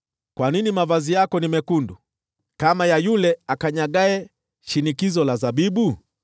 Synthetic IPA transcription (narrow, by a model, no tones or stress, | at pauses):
kwaninimavazijakɔnimɛkundu | kamajajulɛakaɲaɠaɛ | ʃinikizɔlazabiɓu